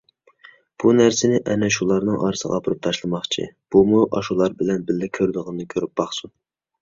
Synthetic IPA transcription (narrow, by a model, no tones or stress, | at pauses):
b̥unæɾsɪnɪʔɛnɛʃulˠɑɾnɨŋʔɑ̰ɾɨsə̰ʁɑ̰pʰɨɾup̚t̪ʰɑʃlˠɨmɑχt͡ʃʰḭb̥umuʔɑʃulˠɑɾbɪlɛnbɪlːɪkʲʰøɾd̪ɨʁənnɨkʲʰøɾyp̚b̥ɑχsu